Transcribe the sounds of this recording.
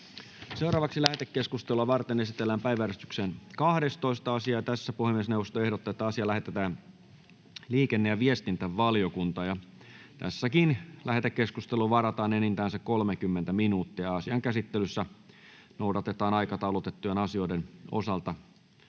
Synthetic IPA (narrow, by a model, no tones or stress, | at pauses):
se̞wɾɑːʋɑksilæhet̪ekːeskust̪eluɑʋɑrt̪ene̞sit̪elːæːmpæiʋæɾest̪y̥kseːnkɑhde̞st̪o̞ist̪ɑɑsiɑːjɑt̪æsːæpuhemiesnewʋost̪oe̞hɾot̪ːɑet̪ːæɑsiɑlæhet̪et̪æːn | liːkenːejɑʋiest̪int̪æʋːɑlijokunt̪ɑjɑ | t̪æ̰sːækinlæhet̪ekːe̞skust̪eluʋɑɾɑt̪ɑːnenint̪æːnsækkolmekymːent̪æminuːt̪ːiæɑsiɑŋkæsit̪ːelysːæ | nowdɑt̪et̪ɑːnɑikɑt̪ɑulot̪et̪ːujenɑsio̞ideno̰sɑlt̪ɑ